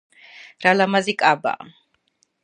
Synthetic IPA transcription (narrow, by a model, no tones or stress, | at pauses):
ɾalamazikʼaba̰